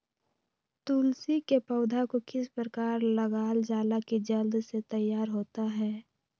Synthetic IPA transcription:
t̪uːlsikepəʊd̪ʱakokɪspɾəkaːɾləɡaːld͡ʒaːlakid͡ʒəld̪set̪əjːaːɾɦoːt̪aɦɛː

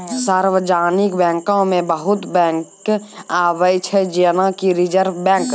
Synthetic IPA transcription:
saːɾʋəd͡ʒaːnɪkbɛ̃ːŋkõmẽbəɦʊt̪bɛ̃ŋkaːwəjt͡ʃʰɛd͡ʒinakiɾɪd͡ʒəɾʋbɛ̃ːŋk

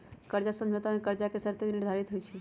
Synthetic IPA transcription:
kəɾd͡ʒasə̃mʱjot̪amekəɾd͡ʒakesəɾt̪enɪɾd̪ʱaɾit̪ɦojt͡ʃʰi

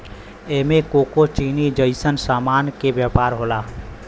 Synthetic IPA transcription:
eɦmekokot͡ʃinid͡ʒəɪsənsaːmankebjəpaɾɦola

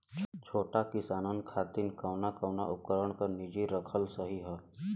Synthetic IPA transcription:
t͡ʃʰoːʈakɪsaːnənkʰaːt̪inkaʊnakəʊna̰ʔʊp̚kəɾəɽ̃kənɪd͡ʒiɾəkʰəlsəɦiɦɛː

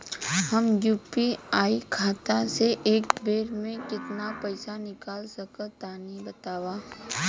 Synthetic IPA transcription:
hɐmjuːpiaːikʰaːt̪aseʔeːkbeːɾmẽkɪt̪napəɪsanɪkaːlsɐkət̪aːnibɐt̪aːwaː

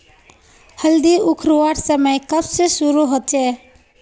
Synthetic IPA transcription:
həld̪iukʰɾuʋaɾsəməjkəbsesuɾuɦot͡ʃɛ

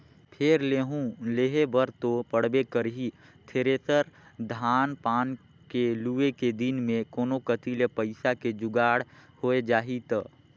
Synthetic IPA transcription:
pʰeɾleːɦũleːɦebəɾt̪opəɽ̤bekəɾɦi | t̪ʰeːɾesəɾd̪ʱaːnpaːn | kelueked̪ɪnmẽkoːnokət̪iːlepəɪsaked͡ʒʊɡaːɽhoed͡ʒaːɦit̪ː

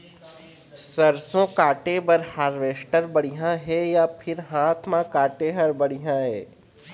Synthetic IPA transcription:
sɐɾsõkaːʈebɐɾhaɾʋeːsʈəɾbɐɽiɦãɦɛjapʰɪɾɦaːt̪ʰmãkaːʈeɦɐɾbɐɽijãɦɛː

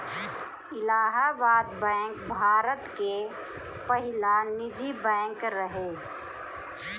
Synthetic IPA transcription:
ɪlaːɦabaːd̪bɛ̃ːŋkbʱaːɾət̪ke | pəɦɪlanɪd͡ʒibɛ̃ːŋkɾəɦe

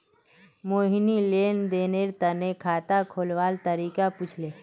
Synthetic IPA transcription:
moːɦinileːnd̪eːneɾt̪ənekʰaːt̪akʰoːlʋaːlt̪əɾiːkaput͡ʃʰleː

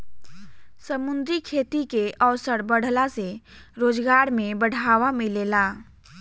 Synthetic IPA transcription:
səmʊ̃nd̪ɾikʰeːt̪ikeʔəʋsəɾbəɽ̤laseɾoːd͡ʒɡaːɾmẽbəɽ̤ʱaːʋamẽleːlaː

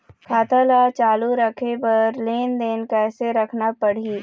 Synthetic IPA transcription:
kʰaːt̪alat͡ʃaːluɾəkʰepɐɾleːnd̪eːnkɛːseɾɐkʰnapəɽ̤iː

